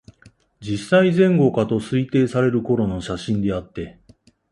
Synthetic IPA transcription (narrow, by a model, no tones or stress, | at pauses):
d͡ʑisːaizẽ̞ŋɡo̞kat̪o̞sɨit̪e̞ːsaɾe̞ɾɯ̟ko̞ɾo̞no̞ɕaɕĩnd̪e̞at̪ːe̞